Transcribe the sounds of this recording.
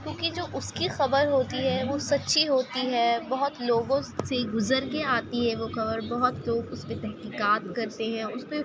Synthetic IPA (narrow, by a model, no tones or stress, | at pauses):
kʲjõːkid͡ʒoːʔʊskixɐbəɾɦoːt̪iɦɛʋosɐtːʃʰiɦoːt̪iɦɛbɐɦʊt̪loːɡõseɡʊzəɾkeaːt̪iɦɛʋoxɐbəɾbɐɦʊt̪loːɡʊsmẽt̪ɛɦkiːkaːt̪kɐɾt̪eɦɛ̃ʊspe